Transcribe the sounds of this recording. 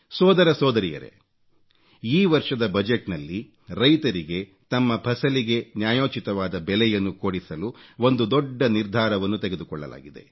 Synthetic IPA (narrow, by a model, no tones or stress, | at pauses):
sɔːd̪ɐɾɐsɔːd̪ɐɾijɐ̰ɾe̞̰ | iːʋɐɾʂɐd̪ɐbɐd͡ʒeʈnɐlːi | ɾɐjt̪ɐɾiɡe̞ | t̪ɐmːɐbʰʱɐsɐliɡe̞njaːjoːt͡ʃit̪ɐʋaːd̪ɐbɛlɛjɐnːukoːɽisɐluo̞nd̪ud̪ɔɖːɐniɾd̪ʱaːɾɐʋɐnːut̪eɡe̞d̪ukɔɭːɐ̰la̰ːɡid̪e̞̰